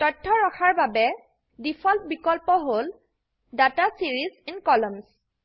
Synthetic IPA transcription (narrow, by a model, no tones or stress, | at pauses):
tɔtʰːɔɹɔxʰaɹbabɛ | dipʰɔlp̚bikɔlpɔɦol | datasiɹizinkɔlɔms